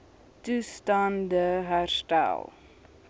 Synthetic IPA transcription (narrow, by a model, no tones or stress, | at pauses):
tustɑndəɦærstæ̰lˠ